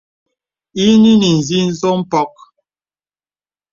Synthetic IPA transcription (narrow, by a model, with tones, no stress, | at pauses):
i˦ni˦ni˨n̩˨zi˦n̩˦zo˦m̩˦pɔ˦k̚